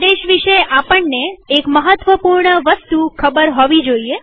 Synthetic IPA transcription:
d̪eʃʋiʃeapəɳneːkməɦət̪ʋəpuɾɳəʋəst̪ukʰəbəɾɦoʋid͡ʒoie

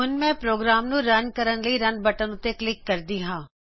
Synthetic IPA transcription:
ʊnmẽpɾoːɡɾaːmnũɾɐnkɐɾənləiɾɐnbɐʈənũt̪eklɪkːɐɾd̪iɦãː

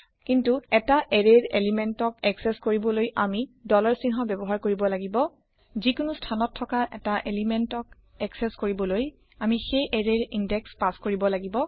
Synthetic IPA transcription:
kintuɛtaʔɛɹeɹḛlimɛntɔkɛksɛskoɹibɔlojʔa̰midɔlɔɹsinɦɔbɛbɔɦaɹkoɹibɔlaɡibɔ | zikʊnustʰanɔtʰːɔkaʔɛtaʔelimɛntɔk | ɛksɛskoɹibɔloj | amixejʔeɹeɹindɛkspaskoɹibɔlaɡibɔ

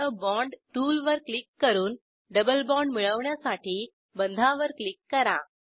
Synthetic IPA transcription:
əbɔɳɖʈuːlʋəɾklikːəɾuːn | ɖəbəlbɔɳɖmiɭəʋɳjasaʈʰiː | bənd̪ʱãʋəɾklikːəɾa̰

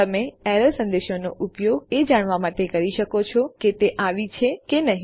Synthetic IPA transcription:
əmeɛɾəlsə̃nd̪eʃonoʔupjoɡed͡ʒaɽ̃ʋamaʈekəɾiʃəkot͡ʃʰɔket̪eʔaʋit͡ʃʰekenəɦĩ

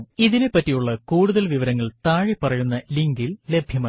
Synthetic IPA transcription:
iðinepːɐtːijuɭːɐkuːɽuðɐlʋiʋɐɾɐŋːɐɭt̪aːɻipɐrɐjunːɐliŋɡille̞bʱjɐma

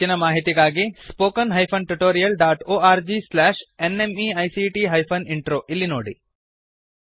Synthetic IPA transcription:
inɐmaːɦit̪iɡaːɡispoːkɐnɦɐjpʰɐnʈuʈoːɾijɐlɖaːʈoːaːɾd͡ʒiːslɛːʃenemiɐjsiʈiːɦɐjpʰɐniɳʈɾoːʔilːinoːɽḭ

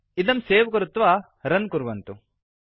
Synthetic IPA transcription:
id̪ɐmseːʋkɐɾut̪ːʋaː | ɾɐnkuɾʋɐnt̪u

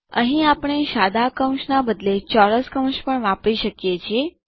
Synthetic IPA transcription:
əɦĩapɳ̃eʃad̪akə̃w̃ʃnabəd̪let͡ʃɔɾəskəw̃ʃpəɳʋãpiʃəkjet͡ʃʰie

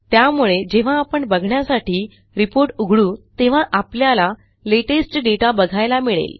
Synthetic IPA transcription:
t̪jamuɭed͡ʑeʋ̤aːpəɳbəɡʱɳjasaʈiː | ɾipoɾʈuɡʱɭũːt̪eʋ̤aʔapljala | leʈesʈɖeʈabəɡʱajlamiɭḛl

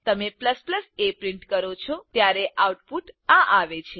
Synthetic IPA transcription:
t̪əmepləspləsepɾiɳʈkəɾot͡ʃʰot̪jaɾeʔawʈpuʈãʔaʋet͡ʃʰe

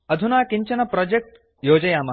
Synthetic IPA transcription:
ɐd̪ʱunaːkiɲt͡ɕɐnɐpɾɔd͡ʑek̚ʈ | joːd͡ʑɐjaːma

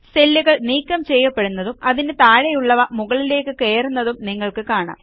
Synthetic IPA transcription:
selːuɣɐɭniːkːɐmt͡ɕe̞jːɐpːe̞ɽunːɐðumɐðinet̪aːɻɐjuɭːɐʋɐmuɣɐɭile̞ːkːɨke̞ːrunːɐðumniŋːɐɭkɨkaːɳa̰m

